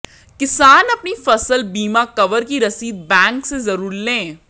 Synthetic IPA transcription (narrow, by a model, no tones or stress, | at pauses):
kɪsaːnɐpnifɐsəlbiːmakɐʋəɾkiɾɐsiːd̪̚bɛ̃ːŋksezɐɾuːɾlẽː